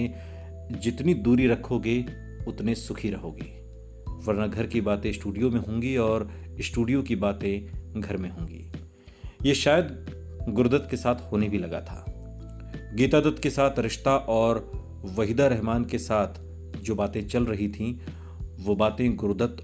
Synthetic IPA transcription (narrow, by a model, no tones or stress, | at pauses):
e | d͡ʒɪt̪nid̪uːɾiɾɐkʰːoɡe | ʊt̪nesʊkʰiɾɐɦoːɡḭː | ʋɐɾnaɡʱɐɾkibaːt̪ẽɪsʈuːɖijomẽɦõːŋɡiɔːɾ | ɪsʈuːɖijõkibaːt̪ẽɡʱɐɾmẽɦõːŋɡḭː | jeʃaːjəd̪ | ɡʊɾd̪ət̪kesaːt̪ʰhoːnebʱilɐɡa̰t̪ʰa̰ː | ɡiːt̪ad̪ət̪kesaːt̪ʰɾɪʃt̪aʔɔːɾ | ʋɐɦid̪aɾɛɦmaːnkesaːt̪ʰ | d͡ʒoːbaːt̪ẽt͡ʃɐlɾɐɦit̪ʰĩ | ʋobaːt̪ẽɡʊɾd̪ət̪